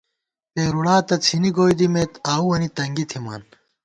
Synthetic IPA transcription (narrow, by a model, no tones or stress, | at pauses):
t̪eːɾuɽaːt̪ɐt͡sʰiniɡoːjd̪imeːt̪aːuwɐnit̪ɐŋɡit̪ʰima̰ːn